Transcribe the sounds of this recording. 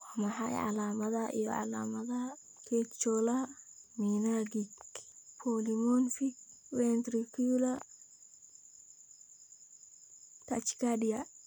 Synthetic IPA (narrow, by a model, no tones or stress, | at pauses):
wamɐħɑ̰jʕɑ̰laːmɐðɐʔḭjɔ̰ʕɑ̰la̰ːmɐðɐ | kʰɛt̪t͡ʃɔla | minaɡikpʰɔlimɔnfikwɛnt̪ɾikʰulɐ | t̪ʰat͡ʃkadija